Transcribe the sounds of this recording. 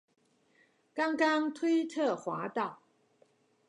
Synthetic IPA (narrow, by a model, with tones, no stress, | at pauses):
kɑ˦˥ŋkɑ˦ŋt̪ʰwe˥˦ɪt̪ʰə˥˨xwa˨˥˦t̪ɑ˥˨ʊ